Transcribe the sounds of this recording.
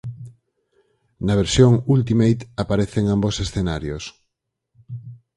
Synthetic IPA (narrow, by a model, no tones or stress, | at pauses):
naβ̞eɾsjoŋult̪̬imejt̪apaɾeθeŋambosesθenaɾjos